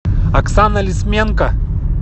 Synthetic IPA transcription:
ɐksanɐlʲismʲeŋkɐ

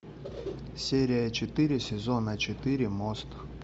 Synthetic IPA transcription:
sʲeɾʲɪjət͡ɕɪt̪ɨɾʲɪsʲɪzonət͡ɕɪt̪ɨɾʲɪmost̪

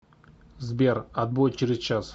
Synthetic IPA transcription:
zbʲerɐd̪̚bot͡ɕɪɾʲɪzt͡ɕas

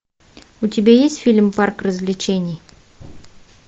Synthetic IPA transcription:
utʲɪbʲajesʲtʲfʲilʲmparkrəzlʲɪt͡ɕenʲɪj

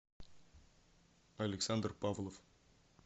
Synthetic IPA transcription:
alʲeksand̪rpavlˠof

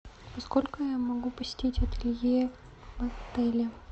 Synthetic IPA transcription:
pɐskolʲkʊjamɐɡupəsʲɪ̥tʲetʲɐt̪ɪlʲje | mɐt̪ɛlʲɪ

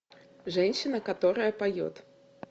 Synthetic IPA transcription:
ʐɛnʲɕinɐkat̪ɔɾɐjɐpajɔ̰t̪

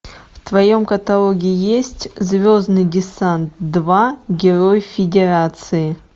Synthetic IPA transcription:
ft̪vajomkɐt̪alˠoɡʲijjesʲtʲzvʲoznɨdʲɪsant̪̚d̪vaɡʲɪrojfʲɪdʲeɾat̪sɨjɪ

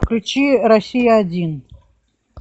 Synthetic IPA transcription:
klʲut͡ʃʰirɐsʲijaːdʲin

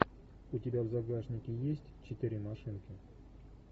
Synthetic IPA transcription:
utʲɪbʲavzaɡaʐnʲɪkʲɪjesʲtʲt͡ɕɪt̪ɨɾʲimaʂɨnkʲɪ

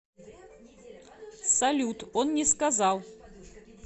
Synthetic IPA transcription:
sɐlʲut̪onnʲɪskɐzɑlˠ

